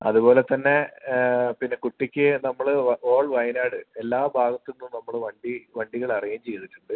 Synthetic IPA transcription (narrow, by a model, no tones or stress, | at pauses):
ɐ̰ðubo̞ːle̞t̪ːɐnːe̞ | pinːe̞kuʈːikʲːɨnɐmːɐɭoːɭʋɐjnaːɽɨelːaːbʱaːɡɐt̪ːinːumnɐmːɐɭʋɐɳɖiʋɐɳɖiɣɐɭɐrijaːmt͡ɕejːðiʈːuɳɖɨ